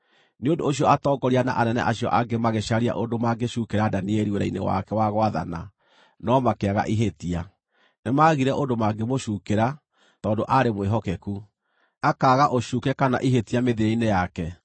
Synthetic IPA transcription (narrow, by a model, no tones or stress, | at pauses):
neondooɕ̬iɔatɔɡɔɾiana̰ʔanɛnɛ̰ʔaɕiɔ̰ʔaɡemaɣeʃaɾia̰ʔondomaɡeʃukeɾadaniɛɾiweɾa̰inḛwa̰kɛwaɣwaða̰na̰ | nɔmakeaɣa̰ʔiɦetia | nemaɣiɾɛʔondomaɡemoʃuːkeɾa | tɔːndoʔaɾemweɦɔkɛku | akaːɣaʔoʃukɛkana̰ʔiɦetiameðeainejakɛ